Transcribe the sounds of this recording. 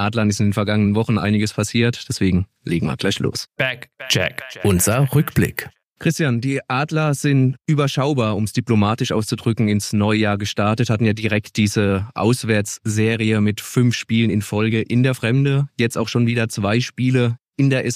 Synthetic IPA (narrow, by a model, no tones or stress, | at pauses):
ʔaːdlɐnɪstɪndeːnfɛɐɡaŋənənvɔχn̩ʔa̰ɪnɪɡəspʰasiːɐtd̥ɛsv̥eːɡŋ̩ | leːɡŋ̩vḭːɐɡlaɪçlo̰ːsb̥ɛkt͡ʃɛ̰kʔʊnzɐʁʏkb̥lɪ̰k | kʁ̥ɪstjand̥iːʔaːdlɐz̥ɪntʔyːbɐʃaʊbaːɐʊmsd̥iplomaːtɪʃʔa̰ʊst͡sudʁʏkŋ̩ɪnsnɔʏjaːɐɡəʃtaɐtəthatn̩jaːdiʁɛkt̚d̥iːzəʔa̰ʊsv̥ɛɐt͡sz̥eːʁiəmɪtfʏnfʃpiːlənɪnfɔlɡəʔɪndeːɐfʁ̥ɛmdəjɛt͡staʊxʃoːnviːdɐt͡sv̥aɪʃpiːləʔɪndeːɐʔɛs